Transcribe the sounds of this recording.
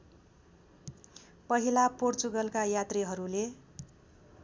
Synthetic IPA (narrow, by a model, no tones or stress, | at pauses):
pʌɦilaport͡suɡʌlkajat̪riɦʌɾule